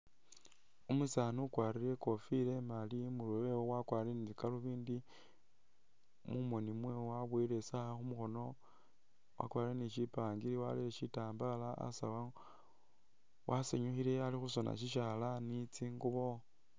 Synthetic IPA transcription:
umusanukwaːɾiɾe̞ko̞file̞malimulewewowakwaːɾiɾenit͡sikaluβiːndi | mumo̞nimwewwaβwiɾe̞saxumuxo̞no̞ | wa̰kwaːɾiɾeniʃipaːŋɡiɾiwa̰lileʃitaːmbalaa̰sawa | wʔaseɲuxile̞alixuso̞na̰ʃ̬iʃalanit͡siːŋɡuβo

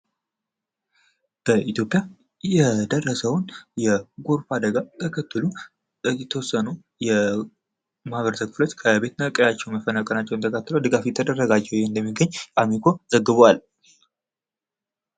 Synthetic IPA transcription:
b̥əʔit̪ʰjo̞pʼja | jɛd̪ərːəsəwnjɛɡoɾfad̪əɡat̪ʰəkʰət̪ːɨlu | jɛt̪ʰəwɔsːənu | jɛ | mahaβəɾt̪ʰəkfɨlot͡ʃ̪ːkʰəbe̞t̪nəkʼəjat͡ʃːɛwnməfənakʼənat͡ʃːɛwnt̪ʰəkʰət̪ːɨləwd̪ɨɡafjɛt̪ʰəd̪ərːəɡad͡ʒːɛwjeɨnd̪əmːiɡːəɲːʔʼamikʰo̞zəɡːɨβwal

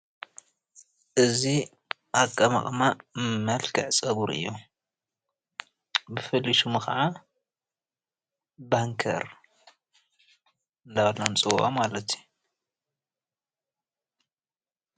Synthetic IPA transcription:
ʔɨzi | ʔakʼːɐma̰χʼmamɐlkʰɨʕsʼɐβuɾɨ̰jːo | bɨfɐlːiʃumɨxɐ̰ʕa | baŋkʰɐ̰ɾ | ɨnd̪awlːomt͡sʼɨwʼamalɐt̪ju

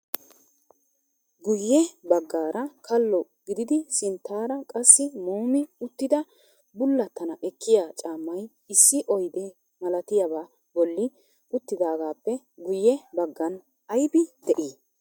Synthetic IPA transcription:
ɡʊjːɛbɐɡːaːɾʔɐkʰɐlːɔ | ɡ̥ɪd̪ɪd̪ɪsɪnt̪ːaːɾɐkʼɐsːɪmoːmɪʊt̪ːɪd̪ɐ | bʊlːɐt̪ːɐnɐʔɛkːɪjaːt͡ʃʼaːmːɐj | ɪsːɪʔɔjd̪ɛ | mɐlɐt̪ɪjɐba | bɔlːɪ | ʊt̪ːɪd̪aːɡaːpːɛ | ɡʊjːɛbɐɡːɐn | ɐjbɪd̪̥ɛʔiː

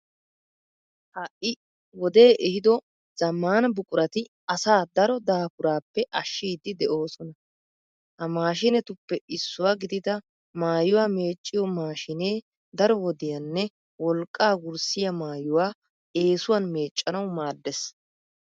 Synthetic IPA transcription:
hɐʔʔɪ | wɔd̪e̞ːʔɛhɪd̪ɔ | z̥ɐmːaːnɐbʊkʼʊɾɐt̪ɪ | ɐsaːd̪ɐɾɔd̪aːpʊɾaːpːɛʔɐʃːiːd̪ːɪd̪ɛʔo̞ːsɔnɐ | hɐmaːʃɪnɛt̪ʊpːɛɪsːʊwaːɡɪd̪ɪd̪ɐ | maːjʊwaːme̞ːt͡ʃʼːɪjɔmaːʃɪneː | d̪ɐɾɔwɔd̪ɪjɐnːɛ | wɔlkʼːaːɡʊɾsɪjɐmaːjʊwaː | e̞ːsʊwanme̞ːt͡ʃʼːɐnɐwmaːd̪ːɛs

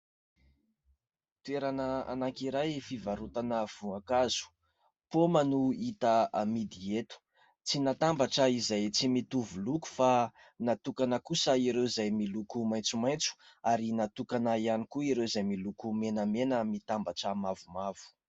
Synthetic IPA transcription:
t̪ueɾanəa̰naŋkiɾajfivaɾut̪anəv̥uakazu̥ | pomanuit̪əamid̪iet̪u̥ | t͡sinat̪ambaʈ͡ʂəizajt͡simit̪uvuluku̥fa | nat̪ukanəkusəiɾewizajmilukumajnt͡sumajnt͡su̥aɾinat̪ukanaianikuiɾewzajmilukumenəmenəmit̪ambaʈ͡ʂəmavumavu̥

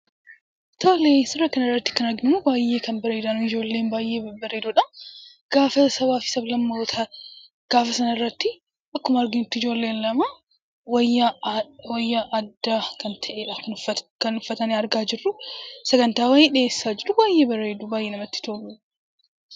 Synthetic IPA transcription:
t̪ʰoleːsɪrːɐkɐnɪrːɐt̪ːɪ̥kɐnɐɡnɪmʊbaːjːe̞ːkɐnbɐɾe̞ːd̪ɐnʊɪd͡ʒo̞ːlːe̞ːnbaːjʔe̞ːbɐɾe̞ːd̪uᶑɐ | ɡ̥aːfɐsɐbaːfɪ̥sɐblɐmːoːt̪ʰɐ | ɡ̥aːfɐsɐnɐɪrːɐt̪ːɪ | ʔɐkːʊmɐɐɾɡɪnt̪ːʊɪd͡ʒo̞ːlːe̞ːnlɐmɐ | wɐ | wɐjːɐʔɐd̪ːaːkɐnt̪ʰɐʔeːᶑɐɐkɐnʊfːɐt̪ɐneɐɾɡaːd͡ʒɪrːʊsɛɡɐnt̪aːwɐːjeːᶑɪjeːsːaːd͡ʒɪɾʊbaːjʔe̞ːbɐɾeːd̪ʊbaːjʔeːnɐmɐt̪ːɪ̥t̪oːlu

